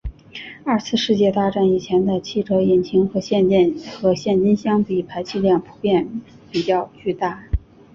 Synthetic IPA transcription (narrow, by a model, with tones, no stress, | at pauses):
ɐ˞˥˧t͡sʰɹ̩˥˧ʂɻ̩˥˧t͡ɕjɛ˥˧t̪a˥˧ʈ͡ʂa˥˩ni˨˩t͡ɕʰjɛ˧˥nd̪ə˧t͡ɕʰi˥˩ʈ͡ʂʰɤ˧˥i˨˩nt͡ɕʰi˧˥ŋxɤ˧˥ɕjɛ˥˧nt͡ɕjɛ˥˧nxɤ˧˥ɕjɛ˥˩nt͡ɕi˥nɕjɑ˥ŋpi˨˩pʰa˧˥ɪt͡ɕʰi˥˧ljɑ˥˩ŋpʰu̥˧˥pjɛ˥˩n | pi˨˩t͡ɕjɑ˥˧ʊt͡ɕy˥˧t̪a˥˩